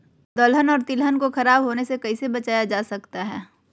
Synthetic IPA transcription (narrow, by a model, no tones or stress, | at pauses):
d̪ɔlɦənɔːɾt̪ɪlɦənkoxɐɾaːbɦoːnesekɐisebɐt͡ʃaːjad͡ʒaːsɐkt̪aɦɛː